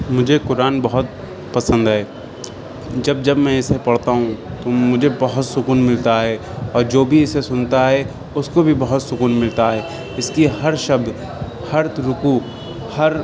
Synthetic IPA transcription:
mʊd͡ʒʱekʊɾaːnbɐɦʊt̪̚ | pɐsə̃nd̪ɦɛː | d͡ʒɐb̚d͡ʒɐbmɛ̃ɪsepɐɽt̪aɦũt̪omʊd͡ʒʱebɐɦʊt̪sʊkuːnmɪlt̪aɦɛ | ɔːɾd͡ʒoːbʱiɪsesʊnt̪aɦɛ | ʊskobʱibɐɦʊt̪sʊkuːnmɪlt̪aɦɛː | ɪskihɐɾʃɐb̚d̪ | hɐɾt̪ɾʊkuː | hɐɾ

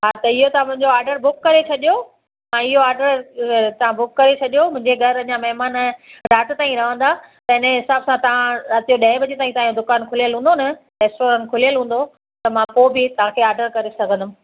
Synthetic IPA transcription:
ɦaːt̪ɐɪɦot̪ɐʋãmʊ̃ɦɪ̃ɲd͡ʑoaːɾɖəɾbʊkːɐɾet͡ɕʰɐɗijo | ãɪɦoaːɾɖəɾt̪ɐʋ̤ãbʊkːɐɾet͡ɕʰɐɗijomʊ̃ɪ̃ɲd͡ʑeɡʱɐɾɐamɐɦmaːnɾaːt̪ɪt̪aːĩɾɐʋə̃nd̪a | t̪ɐɪneɦɪsaːbsãt̪ɐʋ̤ãat̪ijoɗɐ̃ɦɪ̃bɐd͡ʑet̪aːĩt̪ɐaːjõd̪ʊkaːnkʰʊlijəlɦũːnd̪onɐ | ɾeːsʈoːɾãːnkʰʊlijəlɦũːn̆d̪o | t̪ɐmãpoːbɪt̪ɐʋ̤ãkʰeaːɾɖəɾkɐɾesɐɡʱə̃nd̪ʊm̆

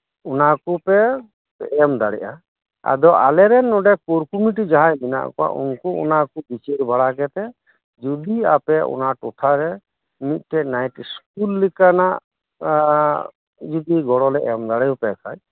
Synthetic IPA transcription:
unakupɛ | ɛmd̪aɽɛ̰ʔa | a̰d̪ɔa̰lɛɾɛnːɔɖɛkoɾkumiʈ̬id͡ʒaɦãjbina̰ʔkɔa̰ʔṵnkuṵnakubit͡ʃeɾbaɽakɛt̪ɛ | d͡ʒud̪iapɛṵnaʈɔt̪ʰaɾɛ | mit̪̚ˀʈɛnajʈskulːikanaʔ | d͡ʒud̪iɡɔɽɔlɛʔɛmd̪aɽɛjɔpɛkʰaj

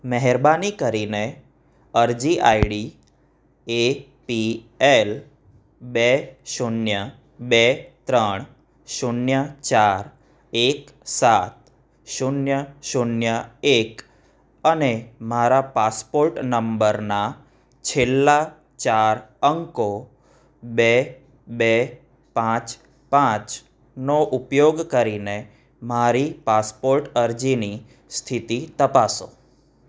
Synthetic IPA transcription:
mɛɦɛɾbanikəɾine | əɾd͡ʒiʔajɽi | e | piel | beʃunjə | bet̪ɾəɳ̃ | ʃunjət͡ʃaɾ | ek | sat̪̚ | ʃunjəʃunjəek | ənemaɾapaspoɾʈnəmbəɾna | t͡ʃʰelːa | t͡ʃaɾəŋko | be | be | pãt͡ʃ | pãt͡ʃ | noʔupjoɡkəɾine | maɾipaspoɾʈəɾd͡ʒini | st̪ʰit̪it̪əpaso̰

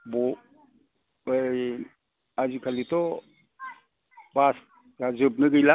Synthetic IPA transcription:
bɔ | ad͡ʒikʰalit̪ɔ | bas | azɯb̚neɡəjla

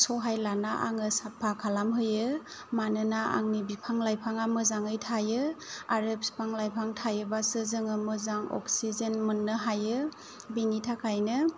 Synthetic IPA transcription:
sɔɦajlanaʔa̰ŋɯsapʰːakʰalamɦɯjɯmanɯnaʔa̰ŋnibipʰaŋlajpʰaŋamɯzaŋɯjtʰajɯaɾɯpspʰaŋlajpʰaŋtʰajɯbasɯzɯŋɯmɯzaŋɔ̰ksizenmɯnːɯɦajɯ | binitʰakʰajnɯ

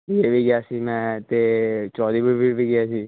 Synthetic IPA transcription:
jeːbʱiːɡɪjaːsimɛ̃ːt̪eːt͡ʃɔːd̪iːbibʱibʱiːɡɪaːsiː

